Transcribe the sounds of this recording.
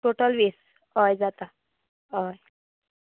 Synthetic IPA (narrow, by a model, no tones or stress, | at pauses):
ʈoʈəlʋes | əjd͡zat̪a | əj